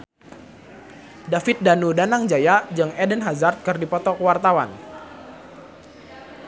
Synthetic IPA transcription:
dafit̪̚danudanaŋd͡ʒajad͡ʒaŋɛdənɦazart̪̚kɨrdipɔt̪ɔkəwart̪awa̰n

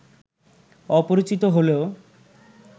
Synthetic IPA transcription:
ɔpoɾit͡ɕit̪oɦoleo

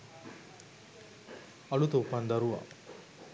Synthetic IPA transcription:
ɐlut̪ɐupand̪ɐɾuʋa̰

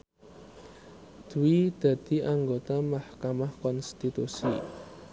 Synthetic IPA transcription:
d̪̥uwid̪̥ä̤d̪̥i̤ʔaŋɡot̪amahkamahkɔnst̪it̪usḭ

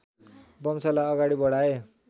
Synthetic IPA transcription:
bʌmt͡sʌlaʌɡaɽibʌɽ̤ae

